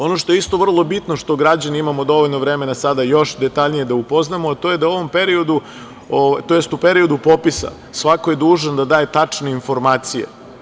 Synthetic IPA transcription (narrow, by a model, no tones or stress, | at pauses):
o̞no̞ʃt̪oeist̪o̞ʋr̩lˠo̞bit̪no̞ʃt̪o̞ɡɾad͡ʑaniimamod̪o̞ʋoʎʲnoʋɾe̞me̞nasad̪ajo̞ʃd̪e̞t̪aʎnije̞d̪aupo̞znamoat̪o̞ːje̞d̪auo̞ʋo̞mpe̞ɾio̞d̪u | oʋat̪ojest̪upe̞ɾio̞d̪upo̞pisa̰ | sʋako̞je̞d̪uːʒanod̪ad̪aːje̞t̪at͡ʂne̞info̞ɾmaːt̪sije̞̰